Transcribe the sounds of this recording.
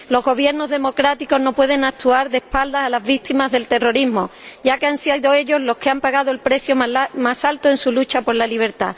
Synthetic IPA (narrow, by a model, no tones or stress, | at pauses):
lo̞zɣo̞β̞je̞ɾno̞zðe̞mo̞kɾat̪iko̞zno̞pwe̞ð̞e̞ŋak̚t̪uaɾðe̞hpald̪aːlazβit̪imazðe̞lt̪e̞ro̞ɾiɦmo̞ɟ͡ʝakeansiðo̞e̞ʎo̞zlo̞hke̞ampaɣaðoe̞lpɾe̞θjomasalt̪oe̞nsulut͡ʃapo̞ɾlaliβ̞e̞ɾt̪a̰